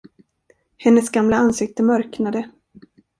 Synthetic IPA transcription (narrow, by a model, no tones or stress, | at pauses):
hɛnːəsɡamlaansɪk̚t̪əmœɾknad̪ə